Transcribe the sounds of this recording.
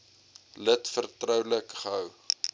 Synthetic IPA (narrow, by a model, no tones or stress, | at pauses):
lətfərtrœwləkχəɦəw